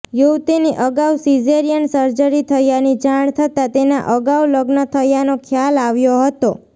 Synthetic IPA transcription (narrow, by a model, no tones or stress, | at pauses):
juwt̪iniʔəɡawsid͡ʒeɾijənsəɾd͡ʒəɾit̪ʰəjanid͡ʒaɳ̃t̪ʰət̪at̪ena̰ʔəɡawləɡnət̪ʰəjanokʰjalaʋjoɦət̪o